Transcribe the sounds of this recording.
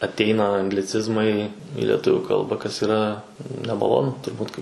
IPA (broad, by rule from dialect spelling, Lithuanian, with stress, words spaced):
ɐtʲˈɛɪnɐ ɐŋɡlʲɪˈt͡sʲɪzmɐɪ ɪ lʲɛˈtʊʋʲʊ ˈkɐlˠbɐ kɐs iːˈrɐ nʲɛmɐˈlˠoːnʊ tʊrˈbuːt kɐɪ